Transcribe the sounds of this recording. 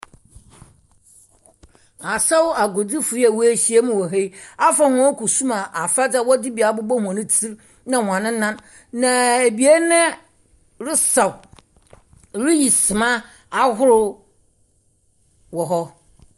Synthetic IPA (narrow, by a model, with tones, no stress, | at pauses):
a˨sɛ˦wa˨ɡo˨di˦fʊ˨i˦a˨wo˦e˦˨ɕi˦e˦mɪ̃˦wɔ˨ɦe˦a˦fa˨hʊ̃˦ku˨sũ˦mã˨ʔa˨fa˦da˦˨wɔ˦dɪ˦bi˨a˨bʊ˦bɔ˦hũ˨ã˨nɪ̃˦tʰi˦ɾ | nã˨hã˨nɪ̃˦nã˦nː | ã˨e˨bi˨a˦nɛ̃˦ | ɾɪ˦sa˨w | ɾɪ˦ji˨sɪ˨mã˦ | a˦ɦʊ˦ɾʊ˦ | wɔ˨ɦɔ˦